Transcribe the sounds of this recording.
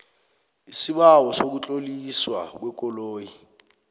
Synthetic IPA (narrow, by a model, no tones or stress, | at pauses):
isiɓawɔsok̬ut͡ɬʼoliswa̰k̬wɛkʼɔloːji